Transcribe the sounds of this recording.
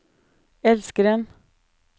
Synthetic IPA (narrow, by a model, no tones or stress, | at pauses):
ɛlskəɾɛn